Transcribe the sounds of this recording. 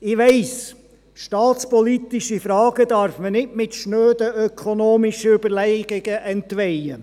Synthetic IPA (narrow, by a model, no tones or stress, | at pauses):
ɪʋɛɪs | ʃtɑːt̪spɔlit̪ɪʃifɾɑːɡ̥əd̪ɑɾfmənɪtmɪtʃnøːd̪əʔœkʰɔnoːmɪʃəʉbəlɛɪɡ̥ɪɡ̥əʔɛnt̪ʋɛjə